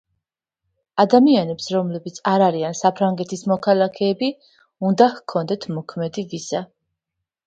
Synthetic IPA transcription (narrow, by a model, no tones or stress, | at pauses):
ad̪amianɛpsɾɔmlɛbit̪sʰaɾaɾiansapʰɾaŋɡɛt̪ʰismɔkʰalˠakʰɛːbi | und̪ahkʰɔnd̪ɛt̪ʰmɔkʰmɛd̪ivisa